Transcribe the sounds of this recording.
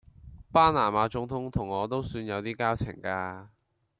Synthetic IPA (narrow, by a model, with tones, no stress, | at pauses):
paː˥naː˨˩maː˨˧t͡sʊ˨˥ŋt̪ʰʊ˨˥ŋt̪ʰʊ˨˩ŋɔː˨˧t̪o˥wsyː˧njɐ˨˧wt̪iː˥kaː˥wt͡sʰɪ̰˨˩ŋkaː˧